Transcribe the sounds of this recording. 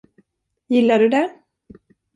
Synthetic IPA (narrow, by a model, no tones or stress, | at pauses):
jɪlːaɖɵd̪ɛ